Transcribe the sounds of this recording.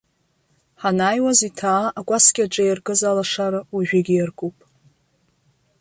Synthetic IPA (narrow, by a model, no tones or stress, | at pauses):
ħanaːjwazitʰaːakʷʼaskʲʼaʈ͡ʂʼajrɡʼɨzalaʂaɾɨwaʒᶣɪɡʲijarɡʼupʼ